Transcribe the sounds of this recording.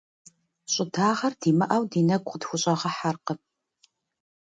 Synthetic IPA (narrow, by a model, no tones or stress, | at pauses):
ɕʼɪdʰaːʁɐrdiːmɐʔɐwdiːnɐɡʷʼqədxʷʊɕʼɐʁɐħarqəp̚